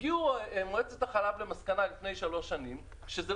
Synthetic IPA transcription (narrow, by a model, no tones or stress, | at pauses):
ɡiuemoet͡set̪aχalavlemaskanalifne̞jʃalo̞ʃːanim | ʃeze